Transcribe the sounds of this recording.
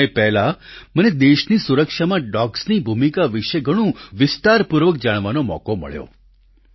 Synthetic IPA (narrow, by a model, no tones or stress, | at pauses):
epɛɦlaməned̪eʃniːsuɾəkʂamãɖɔksniːbʱumikaʋiʂeɡʱəɽ̃ũʋɪst̪aɾpuɾʋək̚d͡ʒaɽ̃ʋanomɔ̰komə̰ɭjo̰